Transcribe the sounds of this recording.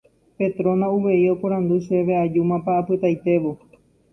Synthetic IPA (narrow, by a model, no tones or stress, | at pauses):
pe̞t̪ɾõ̞nãuʋe̞io̞koɾ̃ãnd̪uʃe̞ʋe̞ad͡ʒumãpaːpɨt̪ajt̪e̞ʋo